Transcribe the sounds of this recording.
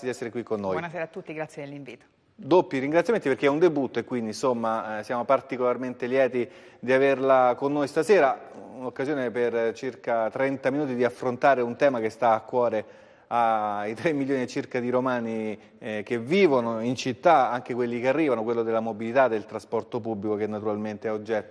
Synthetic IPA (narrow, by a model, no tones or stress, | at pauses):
d̪iɛsːeɾekwikːonːoːjɔbnaseːɾat̪ːut̪ːiɡɾat̪sjed̪elːiɱviːt̪o̥ | d̪opːiɾiŋɡɾat̪sjament̪ipeɾrk̟eɛund̪ebut̪ːoekːwind̪insomːasjaːmopart̪ikolarment̪eljɛːt̪i | d̪iaverlakonːojst̪asɛːɾaunokːazjoːnepert͡ʃirkat̪ɾɛnt̪aminuːt̪id̪iafːɾont̪aːɾeunt̪ɛːmakest̪aːkːwɔːɾe | ait̪ɾemːilːjoːniet͡ʃirkad̪iɾomaːni | keviːvonoint͡ʃit̪ːaaŋk̟ekwelːikearːiːvanokwelːod̪elːamobilit̪ad̪ːelt̪ɾaspɔrt̪opubːlikokenːat̪uɾalment̪eɛod͡ʒːɛt̪ːo